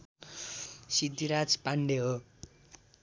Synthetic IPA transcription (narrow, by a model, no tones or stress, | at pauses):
sid̪iɾad͡zpaɳɖeɦo